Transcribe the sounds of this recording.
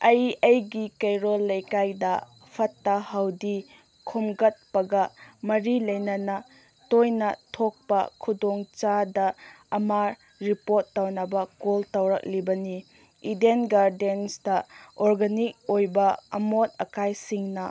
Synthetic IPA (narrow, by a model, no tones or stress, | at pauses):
ɐjɐjɡikɐjɾolːɐjkajdɐ | pʰɐtːɐhɐwdi | kʰumɡɐt̚pɐɡɐmɐɾilɐjnɐnɐ | tojnɐtʰok̚pɐ̰kʰudoŋt͡ʃadɐ | ɐma | ɾipotːawnɐbɐkoltɐwɾɐk̚libɐni | idenɡaɾdensdɐoɾɡɐnik̚ojbɐɐmot̚ɐkajsiŋnɐ